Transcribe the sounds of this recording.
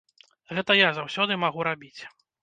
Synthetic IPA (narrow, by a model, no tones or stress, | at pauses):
ɣɛt̪ɐjazawsʲɔd̪ɨmaɣuɾabʲit͡sʲ